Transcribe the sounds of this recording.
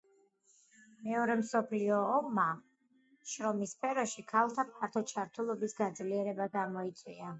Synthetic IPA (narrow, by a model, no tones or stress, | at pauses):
mɛɔɾɛmsɔpʰliɔːmːa | ʃɾɔmispʰɛɾɔʃikʰalˠt̪ʰapʰaɾt̪ʰɔt͡ʃʰaɾt̪ʰulˠɔbisɡad̪zliɛɾɛbaɡamɔit̪sʼwia